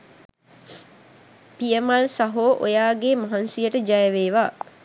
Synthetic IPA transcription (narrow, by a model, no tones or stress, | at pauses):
pijəmalsaɦoːʔo̰jaːɡemaɦansijəʈəd͡ʒajəʋeːʋaː